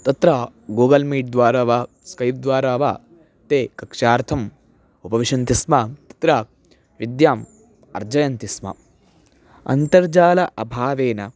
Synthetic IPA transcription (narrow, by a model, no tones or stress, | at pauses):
t̪ɐt̪ɾa | ɡuːɡɐlmiːʈ̚d̪ʋaːɾaːʋaː | skɐjp̚d̪ʋaːɾaːʋaː | t̪eːkɐkʂaːɾt̪ʰɐm | upɐʋiʂɐnt̪ismɐt̪ɐ̥t̪ɾaː | ʋid̪jaːm | ɐ̰ɾd͡ʒɐjɐnt̪ismɐ̰ | ɐ̰nt̪ɐɾd͡ʒaːlɐʔɐbʱaːʋeːnɐ